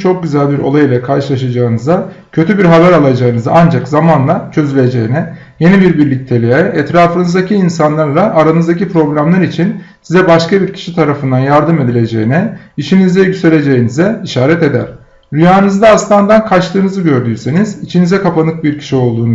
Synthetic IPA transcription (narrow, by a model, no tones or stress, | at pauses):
t͡ʃʰo̞k̚ɟyzælʲbiɾo̞̰lˠajilʲˠakʰaɾʃɯlˠaʃad͡ʒaːɯnɯzd̪a | cʰø̞t̪ʰybiɾɦabæɾalˠad͡ʒaːɯnɯzaand͡ʒakzamanlˠat͡ʃʰø̞zylʲe̞d͡ʒe̞jinɛ | je̞nibiɾbiɾlʲic̚t̪ʰe̞lʲiɛɛt̪ɾaːfɯnɯzd̪acʰiːnsanlˠaɾlˠaʔːɾanɯzd̪acipɾo̞blʲamlˠaɾit͡ʃʰinsizɛbaʃkabiɾcʰi̥ʃit̪ʰaɾafɯnd̪anjaɾd̪ɯme̞d̪ilʲe̞d͡ʒe̞jinɛit͡ʃʰinizd̪ɛɟyse̞ɾʲe̞d͡ʒe̞jinizɛiʃaːɾɛt̪e̞d̪æɾ̥ | ɾyjaːnɯzd̪aːst̪ˠand̪ankʰat͡ʃt̪ʰˠɯːnɯzɯɟø̞ɾd̪yːseniz̥it͡ʃʰinizɛkʰapanɯk̚biɾcʰi̥ʃio̞lˠd̪uːn